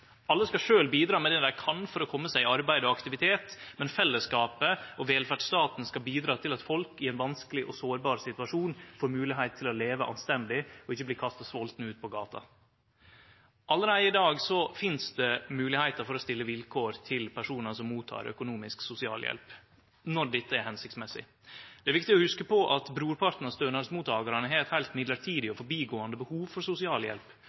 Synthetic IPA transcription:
ʔɑlːəskɑʂøːlbiːd̪ɾɑːmɛd̪ɛd̪æɪkʰɑnfɔɾɔkʰɔmːəsæɪɑɾbæɪd̪ɔɑkt̪ɪʋɪt̪ʰeːt̪mɛnfɛlːəskɑːpəʔɔʋɛːlfæɖʂst̪ɑːt̪n̩skɑlbiːd̪ɾɑːt̪ʰɪlɑt̪fɔlkɪɛɪnʋɑnskəlɪʔɔsoːɾbɑːɾsɪt̪ʉɑʂuːnfoːɾmʉːlɪɦæɪt̪t̪ʰːɪlɔleːʋəʔɑ̰nst̪ɛnd̪ɪɔɪçːəbliːkʰɑst̪ɑsʋɔlt̪n̩ʉːt̪̚pʰɔɡɑːt̪ʰɑ̰ | ʔɑlːəɾæɪɪd̪ɑːɡsɔfɪnsd̪ɛmʉːlɪhæɪt̪əɾfɔɾɔst̪ɪlːəʋɪlkʰoːɾt̪ʰɪlpʰæʂuːnəsɔmuːt̪ʰɑ̰ːɾœ̰kʊnuːmɪsksʊsɪɑ̰ːljɛ̰lp | nɔɾɖ̪ɛt̪ːəæɾhɛnsɪkt̪smɛsɪ̰ | d̪̥ɛɾʋɪkt̪ɪɔhʉskəpɔʔɑt̪bɾuːɾpʰɑɾt̪n̩ɑst̪øːnɑɾsmuːt̪ʰːɑːɡɑɾɑnəɦɛɾɛt̪hæɪlt̪mɪd̪ləɾʈʰiːd̪ɪɔfɔɾbiːɡoːɑnd̪əbəhuːʋfɔɾsʊsɪɑːljɛ̰lp

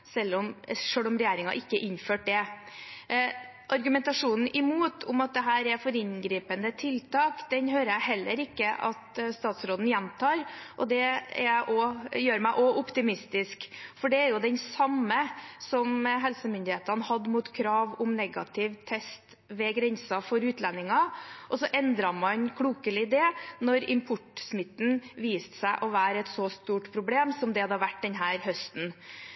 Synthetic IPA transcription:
sɛlːɔmʂøːɽɔmɾɛjæːɾɪŋɑ̰ʔɪkːəʔɪɲføːʈ̚d̪ɛ | ʔɑɾɡʉmɛnt̪ɑʂuːnn̩ʔɪmuːt̪ʰʊmɑt̪̚d̪ɛɦæːɾɛɾfɔɾɪnɡɾiːpənd̪ət̪ʰɪlt̪ʰɑːkd̪ɛnɦøːɾəjæɪɦɛlːəɾɪkːəʔɑ̰t̪st̪ɑːt̪sɾoːd̪n̩jɛnt̪ʰɑːɾʔɔd̪ɛæ̰ɾæɪʔɔjøːɾmæɪʔɔʔʊpt̪ɪmɪst̪ɪskfɔɖɛːɾjʊd̪ɛnsɑmːəsɔmɦɛlsəmʏnd̪ɪheːt̪ɑnəhɑd̪ːmuːt̪kʰɾɑːʋʊmnɛɡɑt̪ʰɪʋt̪ʰɛst̪ | ʋɛɡɾɛnsɑfɔɾʉːt̪ʰlɛnːɪŋɑʔɔsɔʔɛnd̪ɾɑmɑnkʰɽuːkəlɪd̪ɛːnɔɾɪmpʰʊʈsmɪt̪ːn̩ʋiːst̪sæɪʔɔʋæːɾɛt̪sɔst̪uːʈpʰɾʊbleːmsɔmd̪ɛɑd̪ɑʋæʈːd̪ɛnɦæːɾhœst̪n̩

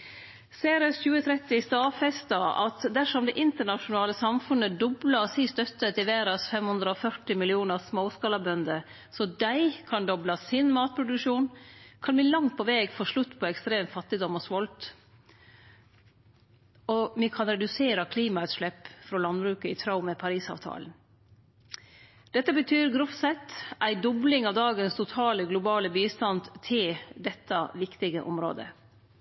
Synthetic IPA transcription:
seɪɾɛsçʉːət̪ʰɾɛt̪ːɪst̪ɑːfɛst̪ɑʔɑ̰t̪d̪æʂɔmd̪ɛʔɪnt̪əɳɑʂʊnɑːləsɑmfʉnːəd̪ɔblɑsist̪œt̪ːət̪ɪʋæːɾɑsfɛmhʉnd̪ɾəɔfœʈɪmɪlɪuːnəsmoːskɑlɑbœnd̪ə | sɔd̪æɪkʰɑnd̪ɔblɑsɪnmɑːt̪̚pʰɾʊd̪ʉʂuːnkʰɑnblɪːlɑŋt̪̚pʰɔʋeːɡfɔʂɭʉt̪ːpʰɔɛkst̪ɾeːmfɑt̪ːɪd̪ɔmɔsʋɔlt̪ | ɔmɪkʰɑnɾɛd̪ʉseːɾɑkʰliːmɑʉt̪ʂɭɛpːfɾɔlɑnbɾʉːkəɪt̪ʰɾɑʊməpʰɑɾiːsɑ̰ːʋt̪ʰɑ̰ːlən̩ | d̪̥ɛt̪ːəbət̪ʰyːɾɡɾʊfsɛt̪ʔæɪd̪ɔblɪŋɑʋd̪ɑːɡənst̪ʰʊt̪ʰɑːləɡlʊbɑːləbiːst̪ɑnd̪t̪ʰɪld̪ɛt̪ːɑʋɪkt̪ɪɡə̰ʔɔ̰mɾo̰ːd̪ə̰

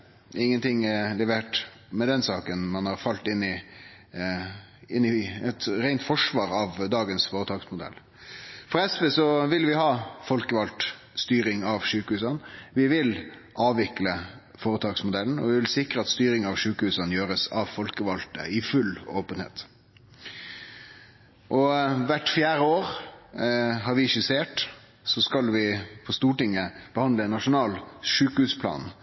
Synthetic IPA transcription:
ʔɪŋːənt̪ʰɪŋːɛlɛʋeːʈ | mɛd̪ɛnsɑːkənmɑnhɑɾfɑlt̪ɪnːɪ | ɪnːɪɛt̪ɾæɪnt̪fɔʂʋɑːɾɑʋd̪ɑːɡənsfoːɾət̪ʰɑːɡsmʊd̪ɛ̰lː | fɔɾɛspeːsɔʋɪlʋɪhɑːfɔlkəʋɑlt̪ | st̪yːɾɪŋɑʋʂʉːkəhʉːs̬ɑnʋɪʋɪlʔɑːʋʋɪklə | foːɾət̪ʰɑːɡsmʊd̪ɛln̩ɔ̰ʋɪʋɪlsɪkɾəɑt̪st̪yːɾɪŋɑʋʂʉːkəhʉːsɑnjøːɾəsɑʋfɔlkəʋɑlt̪ə̰ɪfʉloːpənhḛːt̪ | ʔɔʋæʈfjæːɾəoːɾ | ɦɑɾʋɪɪçəseːʈ | sɔskɑlʋɪpʰɔst̪uːʈɪŋːəb̥əhɑnd̪ləɛnːɑʂʊnɑːlʂʉːkəhʉːspʰlɑ̰ːn

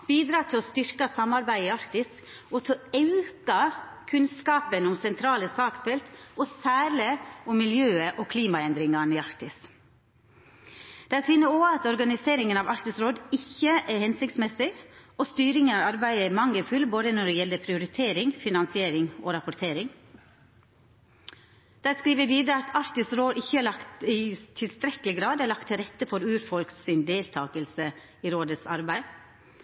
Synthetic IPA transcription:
b̥iːd̪ɾɑːt̪ʰɪlɔst̪ʏɾkɑsɑmːɑɾbæɪɪɑɾt̪ɪs | ɔt̪ʰɪɑʉkɑkʰʉnskɑːpənɔmsɛnt̪ʰɾɑːləsɑːksfɛlt̪ɔsæːɾɭəɔmːɪljøːəʔɔkʰliːmɑɛnd̪ɾɪŋɑnɪɑɾt̪ɪs | d̪̥ɛæsʋiːnəoːɑt̪ɔɾɡɑnɪseːɾɪŋənɑʋɑɾt̪ɪsɾoːd̪ɪçːəʔɛɾhɛnsɪk̚t̪smɛsɪoːst̪yːɾɪŋənɑːɾɑɾbæɪəɛmɑŋːəfʉlboːd̪ənɔɖɛjɛlːəpʰɾɪʊɾɪt̪ʰeːɾɪŋfɪnɑnsɪeːɾɪŋʔoːɾɑpʊɾt̪ʰeːɾɪŋ | d̪̥æːskɾiːʋəʋiːd̪ɾəɑt̪ʰɑɾt̪ɪsɾoːd̪ɪçːəæːɭɑkt̪ɪt̪ʰɪlst̪ɾɛkəlɪɡɾɑːd̪æːɭɑk̚t̪ʰːɪɾɛt̪ːəfɔɾʉːɾfɔlksɪnd̪eːlt̪ʰɑːkəlsə | iːɾoːd̪ət̪sɑ̰ɾbæɪ

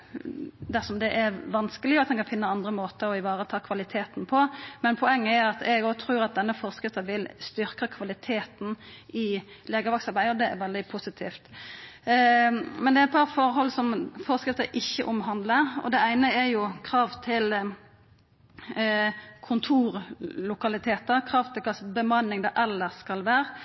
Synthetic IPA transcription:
d̪æsɔmd̪ɛʔɛɾʋɑnskəlɪʊɑt̪d̪ɛnkɑnfɪnːəɑnd̪ɾəmoːt̪əɾɔɪʋɑːɾət̪ʰɑːkʰʋɑlɪt̪ʰeːt̪npʰɔmɛnpʰɔɛŋːəɛɾɑt̪ɛɡot̪ʰɾʉːɾɑt̪̚d̪ɛnːəfɔɾskɾɪft̪əʋɪlst̪ʏɾkəkʰʋɑlɪt̪ʰeːt̪n̩ɪ | leːɡəɾʋɑksɑɾbæɪəɔd̪ɛɛ̰ɾʋɛld̪ɪpʰusɪt̪ʰiːft̪ | mɛnd̪ɛæɛt̪̚pʰɑɾfɔɾɦɔlsɔmfɔɾskɾɪft̪əʔɪçːəʔʊmɦɑnd̪ləɾɔ̰d̪ɛæɪnəɛɾjʊkʰɾɑːʋt̪ʰɪl | kʰʊnt̪ʰuːɾlʊkɑlɪt̪ʰeːt̪əɾkʰɾɑːʋt̪ʰɪlkʰɑːsbəmɑnːɪŋd̪ɑʔɛlːəʁskɑlʋæːɾə

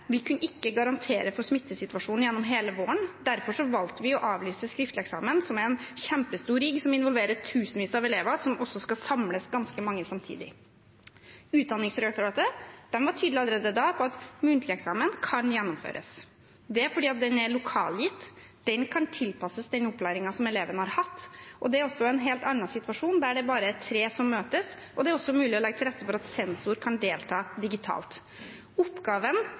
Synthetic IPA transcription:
ʋɪkʉnːəɪkːəɡɑɾɑnt̪ʰeːɾəfɔɾsmɪt̪ːəsɪt̪ʉɑʂuːn̩jɛnːɔmɦeːləʋoːəɳd̪æɾfɔʂɔʋɑlt̪əʋɪɔʔɑːʋlyːsəskɾɪft̪ləɛksɑ̰ːmənsɔmɛnçɛmpəst̪uːɾɪɡsɔmɪnʋɔlʋeːɾəʈʰʉːsn̩ʋiːsəɑʋɛleːʋɑsɔmɔsːɔskɑsɑmləsɡɑnskəmɑŋːəsɑmt̪ʰḭːd̪ɪ | ʉːt̪̚d̪ɑnɪŋsɾɛɑkt̪ʊɾɑːt̪əd̪̥ɛnʋɑʈʰyːd̪lɪɑləɾeːd̪əd̪ɑːpʰɔɑt̪mʉnt̪ʰlɪɛksɑːmənkʰɑnjɛnːʊmfø̰ːɾʔə̰s | d̪ɛfɔɖiːɑt̪̚d̪ɛnæɭʊkʰɑ̰ːljɪt̪ː | d̪̥ɛnkʰɑnt̪ʰɪlpɑsəsd̪ɛnɔpːlæːɾɪŋɑsɔmɛleːʋənhɑɾhɑt̪ːʔɔd̪ɛæɾɔsːɔɛnɦeːlt̪ɑnːɑsɪt̪ʋɑʂuːnd̪æɖɛbɑːɾət̪ʰɾeːsɔmːøːt̪əs | ʔɔd̪ɛæɾɔsːɔmʉːlɪɔlɛɡət̪ʰlɾɛt̪ːəfɔɾɑt̪sɛnsʊɾkʰɑnd̪eːlt̪ʰɑːd̪ɪɡɪt̪ʰɑ̰ːlt̪ | ɔpːɡɑːʋən

